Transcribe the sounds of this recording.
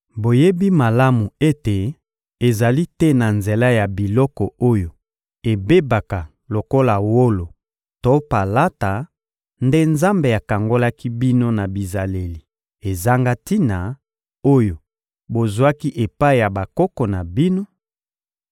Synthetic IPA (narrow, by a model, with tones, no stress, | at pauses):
bo˨je˦bi˦ma˨la˦mu˨e˦te˨ | e˨za˨li˦tɛ˦na˨nze˨la˦ja˨bi˨lɔ˦kɔ˨o˦jo˨ | e˨be˦ba˨ka˨ | lo˨ko˦la˨wo˦lo˨ | to˦pa˨la˦ta˨ | nde˦nza˦mbe˨a˨ka˨ŋɡo˦la˦ki˦bi˦no˦na˨bi˨za˨le˨li˨ | e˨za˦ŋɡa˦ti˦na˨ | o˦jo˨ | bo˨zu˨a˦ki˦ʔe˨pa˦i˨ja˨ba˨kɔ˦kɔ˨na˨bi˦no˦